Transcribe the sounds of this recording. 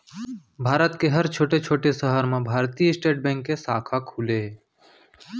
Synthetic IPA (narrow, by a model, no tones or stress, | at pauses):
bʱaːɾət̪keɦəɾt͡ʃʰoːʈet͡ʃʰoːʈesəɦəɾmẽbʱaːɾt̪ijəɪsʈeːʈ̚bɛ̃ːŋkːesaːkʰakʰuːle